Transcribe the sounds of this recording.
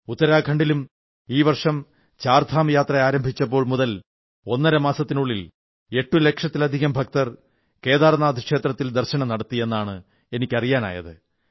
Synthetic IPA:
ut̪ːɐɾaːkʰɐɳɖilum | iːʋɐrʂɐm | t͡ɕaːrt̪ʰaːmjaːt̪rɐaːɾɐmbʱit͡ɕːɐp̬ːo̞ːɭmuðɐl | o̞nːɐɾɐmaːsɐt̪ːinuɭːil | e̞ʈːule̞kʂɐt̪ːilɐd̪ʱiɣɐmbʱɐk̚t̪ɐr | ke̞ːðaːrnːaːd̪ʱikʂe̞ːt̪rɐt̪ːild̪ɐrɕɐɳɐmnɐɽɐt̪ːie̞nːaːɳɨ | e̞nikʲːɐrijaːna̰ːjɐ̰ðɨ

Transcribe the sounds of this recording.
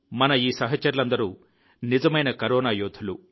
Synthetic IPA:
mɐnɐiːsɐɦɐt͡ʃːɐɾulɐnd̪ɐɾuː | nid͡ʒɐmɐjnɐkɐɾɔːnaːjoːt̪ʰulu

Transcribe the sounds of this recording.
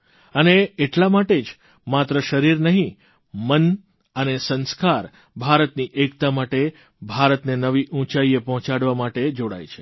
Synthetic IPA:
əneeʈlamaʈed͡ʒ | mat̪ɾəʃəɾiɾnəɦĩ | mən | ənesə̃nskaɾ | bʱaɾət̪niʔekt̪amaʈe | bʱaɾət̪nenəʋiʔũt͡ʃaiepɔɦɔ̃t͡ʃaɽʋamaʈed͡ʒoɽa̰jt͡ʃʰe̥

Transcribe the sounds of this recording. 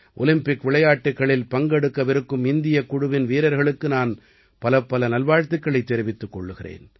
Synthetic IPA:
ʔɔlɪmpɪkʋɪɭɐjaːʈːɯkːɐɭɪlpɐŋɡɛɽɯkːɐʋɪɾɯkːɯmɪnd̪ɪjɐkːʊɽʊʋɪnʋiːɾɐɾɣɐɭɯkːɯnaːn | pɐlɐpːɐlɐnɐlʋaːɻt̪ɯkːɐɭɐɪt̪ːɛɾɪʋɪt̪ːɯkːɔɭːɯɣɪrḛːn

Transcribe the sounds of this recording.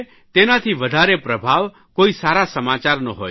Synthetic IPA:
t̪enat̪ʰiʋəd̪ʱaɾepɾəbʱaʋ | koisaɾasəmat͡ʃaɾnəɦo̰

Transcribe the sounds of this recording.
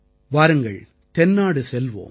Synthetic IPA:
ʋaːɾɯŋɡɐɭ | t̪ɛnːaːɽɯsɛlʋo̰ː

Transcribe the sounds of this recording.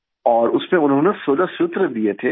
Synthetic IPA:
ɔːɾʊsmẽʊnɦõːnesoːd̪asʊt̪ɾəd̪iet̪ʰe

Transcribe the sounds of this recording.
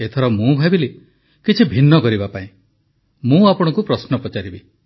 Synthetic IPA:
et̪ʰɔɾɔmũbʱabile | kit͡ʃʰibʱinːɔkɔɾibapaĩ | mũapɔɽ̃ɔ̃ŋkupɾɔsnɔpɔt͡ʃaɾibi

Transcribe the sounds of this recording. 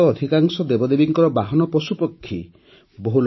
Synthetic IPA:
ɔːd̪ʱikaŋsɔd̪ebɔd̪ebiŋkɔɾɔbaɦɔnɔpɾɔsupɔkʰːi | boɦul

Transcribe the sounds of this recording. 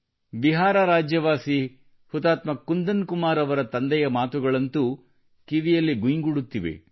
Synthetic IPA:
biɦaːɾɐɾaːd͡ʒjɐʋaːsi | hut̪aːt̪mɐkːund̪ɐnkumaːɾɐʋɐɾɐt̪ɐnd̪ɛjɐmaːt̪uɡɐɭɐnt̪u | kiʋijɐlːiɡujŋɡuɽut̪ːiʋḛ

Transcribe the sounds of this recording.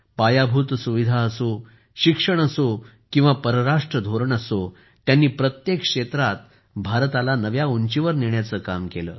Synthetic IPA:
pajabʱuːt̪suʋid̪ʱaəso | ɕikʂəɳ̃əso | kĩw̃ʋapəɾəɾaʂʈɾəd̪ʱoɾəɳəso | t̪janːiːpɾət̪jekʂet̪ɾat̪̚ | bʱaɾt̪alanəʋjauɲt͡ɕiʋəɾniɳjat͡səːkamkelə̰ː

